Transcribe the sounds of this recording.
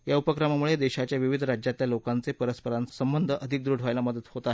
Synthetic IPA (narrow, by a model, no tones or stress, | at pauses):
jaupəkɾamamuɭed̪eɕat͡ɕjaʋiʋid̪ʱəɾad͡ʑjat̪ljalokant͡sepəɾəspəɾansəmbənd̪ʱəəd̪ʱik̚d̪ɾuɖ̤ʱʋajlaməd̪ət̪hot̪aːɦe